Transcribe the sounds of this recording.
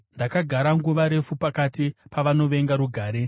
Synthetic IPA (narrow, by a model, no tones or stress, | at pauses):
ndakaɡʱaɾaŋɡuʋaɾe̞fupakatipaʋano̞ʋe̞ŋɡaɾuɡʱaːɾe̞